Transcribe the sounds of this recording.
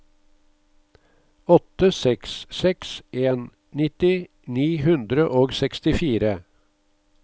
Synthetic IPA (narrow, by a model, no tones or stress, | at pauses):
ɔt̪əsɛkssɛksʔeːn | nɪt̪ɪ | niːhʉnd̪ɾəʔoːɡsɛkst̪ɪfiːɾə